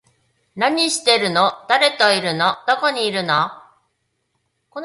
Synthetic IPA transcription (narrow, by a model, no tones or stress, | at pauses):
naɲ̟iɕi̥t̪e̞ɾɯ̟no̞d̪̥aɾe̞t̪o̞iɾɯ̟nod̪̥o̞ko̞ɲ̟iːɾɯ̟no | kon